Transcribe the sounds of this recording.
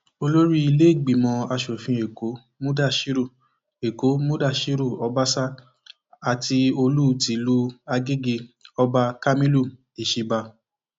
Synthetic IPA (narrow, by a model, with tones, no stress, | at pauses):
o˧lo˦ɾi˦i˧le˦i˦˨ɡ͡bi˨mɔ̃˧a˧ʃo˨fĩ˧˦e˨ko˨˦ | mũ˦da˦˨ʃi˦ɾu˦˨ | e˨ko˨˦mũ˦da˦˨ʃi˦ɾu˦˨ɔ˧˦ba˦sa˦ | a˨ti˧o˧lu˦˧˦ti˨˦lu˦a˧ɡe˦ɡe˧ɔ˧ba˧ka˧mĩ˦lu˦˨ | e˨ʃi˧ba˧